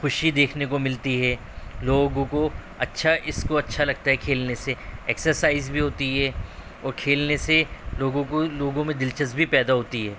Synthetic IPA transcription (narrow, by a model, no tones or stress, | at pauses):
xʊʃid̪eːkʰnekomɪlt̪iɦɛː | loːɡõko | ɐtːʃʰaʔɪskoɐtːʃʰalɐɡ̚t̪aɦɛkʰeːlneseɛːksəɾsaːɪzbʱiɦoːt̪iɦɛ | ɔːɾkʰeːlneseloːɡõkoloːɡõmẽd̪ɪlt͡ʃəsbʱipɛːd̪aɦoːt̪iɦɛː